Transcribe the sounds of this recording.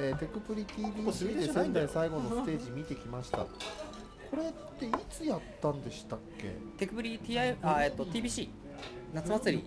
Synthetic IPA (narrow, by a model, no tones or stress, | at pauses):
et̪e̞kɯ̟pɯ̟ɾʲit̪ʲiːbʲiːsɨɡʲid̪esẽ̞nd̪aisaiɡo̞nosɨt̪e̞ːʑimʲit̪e̞kʲimaɕi̥t̪a̰ | kʰo̞ɾe̞tt̪ːe̞it͡sɨjat̪ːãnd̪e̞ɕi̥t̪akːe̞̰t̪e̞kɯ̟pɯ̟ɾʲit̪iːaiaeːt̪ːo̞t̪ʲiːbʲiɕiː | nat͡sɨmat͡sɨɾʲḭ